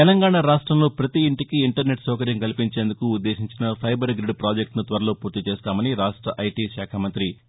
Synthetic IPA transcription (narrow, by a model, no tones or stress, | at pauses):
t̪ɛlɐŋɡaːɳaɾaːʂʈɾɐmloːpɾɐt̪iːɳʈikiːɳʈɐɾne̞ʈsɐːkɐɾjɐmkɐlipiɲt͡ʃe̞ːnd̪ukuːd̪ːe̞ːʃiɲt͡ʃinɐpʰɐjbɐɾɡɾiɖpɾaːd͡ʒek̚ʈnut̪ʋɐɾɐlo̞ːpuːɾt̪it͡ʃeːst̪aːmɐniɾaːʂʈɾɐʔɐjʈiʃaːkʰamɐnt̪ɾi